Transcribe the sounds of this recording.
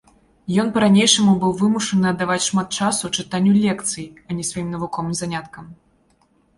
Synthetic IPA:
jɔnpɐɾanʲejʂɐmubɨwvɨmuʂɐnɨɐd̪ːavat͡sʲʂmat̪̚t͡ʂasut͡ʂɨt̪anʲːulʲɛkt̪sɨjiɐnʲɛsvajimnɐvukɔvɨmzanʲat̪kɐm

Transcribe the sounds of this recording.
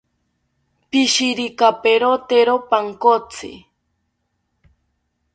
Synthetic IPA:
piʃiɾikapeɾot̪eɾopaŋkot͡sʰɪ̰

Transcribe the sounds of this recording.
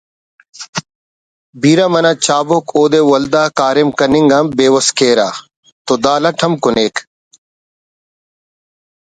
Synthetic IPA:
biːɾamɐnat͡ɕaːbokʰoːd̪ewɐld̪aːkaːɾemkɐniŋɡambeːwɐskeːɾaː | t̪od̪aːlɐʈʰɐmkʊneːk

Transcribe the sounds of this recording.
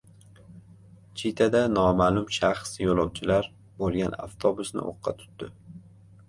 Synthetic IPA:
t͡ʃʰit̪ʰad̪anɒmaːlʊmʃaχsjolˠɒwt͡ʃʰɪlaɾ | bolˠɡʲana̰ft̪ʰobʊsnɪ̰ʔo̰qʰːɑ̰t̪ʰʊ̥t̪d̪ɪ

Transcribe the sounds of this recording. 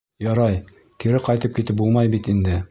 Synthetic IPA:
jɒɾɑj | kiɾɘqɒjt̪ɤp̚kit̪ɘp̚bulˠmɑjbit̪ind̪ɘ

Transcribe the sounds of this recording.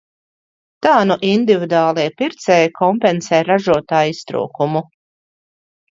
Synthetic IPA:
t̪aːnuʔind̪ivid̪aːlˠiɛpiɾt̪sɛjkʰɔmpɛnsɛːɾaʒuɔt̪aːjist̪ɾṵːkumu

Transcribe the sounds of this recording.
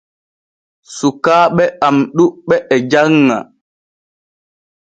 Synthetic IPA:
sukaːɓɛamɗuɓɛɛd͡ʒaŋːa̰

